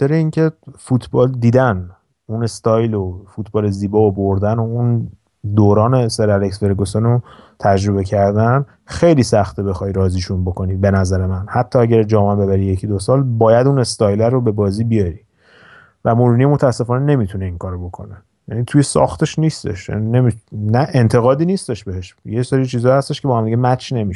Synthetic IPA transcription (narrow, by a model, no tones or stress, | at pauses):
t̪ʰeɾeiŋcʰe̞fut̪ʰbɒːld̪iːd̪æn | unest̪ʰɒːjlofut̪̚ʰbɒːle̞ziːbɒːoboɾd̪ænoun | d̪oːɾɒːneseɾæɾeksve̞ɾɡosono | t̪ʰæd͡ʒɾo̞βe̞cʰæɾd̪æn | xejliːsæxt̪ʰebe̞xɒjɾɒːziːʃunbo̞ko̞niːbe̞næzæɾe̞mænhæt̪ʰːɒːæɟæɾd͡ʒɒːmæmbe̞βæɾije̞cʰid̪osɒːlbɒːjæd̪une̞st̪ɒjlæɾobebɒːziːbijɒɾiː | væmoɾunijemot̪ʰæːsːe̞fɒːnene̞mit̪ʰune̞iŋkʰɒːɾobo̞kʰo̞̰ne | jænit̪ʰuje̞sɒ̰ːxt̪ʰe̞ʃniːst̪e̞̰ʃjæ̰nine̞minæʔe̞nt̪ʰe̞ɣɒːd̪iːniːst̪e̞ʃbe̞he̞ʃjeseɾit͡ʃʰiːzɒːhæst̪e̞ʃkʰe̞bɒːhæmd̪iɟemæt͡ʃʰne̞miʃ